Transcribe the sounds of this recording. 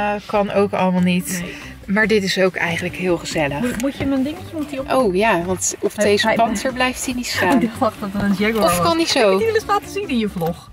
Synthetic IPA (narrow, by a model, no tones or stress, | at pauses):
kɑnowkɑ̰ləmɑlˠnit | maːɹdɪtɪsowkɛ̰jχənləkɦɪːlˠχəz̥ɛləmutəməndɪŋəcəmutiʔowjaːʋɑntɔpdejzəpɑntəɹblɛjftinitstadχɑχɔtənənsjɛɡoɔfkɑnizowlɪslaːtəzinɪnjəvlɔχ